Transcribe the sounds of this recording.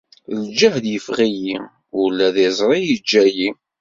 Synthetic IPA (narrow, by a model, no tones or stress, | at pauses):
ld͡ʒəhd̪jəfʁiji | ʊlːæðɪzˤɾˤijid͡ʒːæji